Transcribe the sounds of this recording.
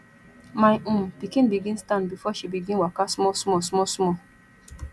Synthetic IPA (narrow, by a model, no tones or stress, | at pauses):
majʔũmpikĩnbiɡĩnstãnbifɔʃibiɡĩnwakasmɔsmɔsmɔsmɔ